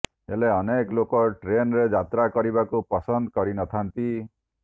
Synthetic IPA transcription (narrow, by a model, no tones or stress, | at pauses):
ḛleɔneklokɔʈɾenɾed͡ʒat̪ɾakɔɾibakupɔsɔnd̪ɔkɔɾinɔt̪ʰant̪i